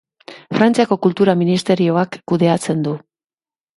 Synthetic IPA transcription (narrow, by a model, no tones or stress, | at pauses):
fɾant͡siako̞kult̪uɾaminist̪e̞ɾio̞akːuðe̞at͡se̞nd̪u